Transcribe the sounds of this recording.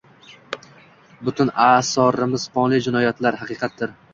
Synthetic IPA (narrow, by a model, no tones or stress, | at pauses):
bʊt̪ʰʊnaːsɒɾɪmɪzpʰɒnlˠɪd͡ʒɪnɒjat̪laɾhɑqɨqʰɑt̪̚d̪ɪɾ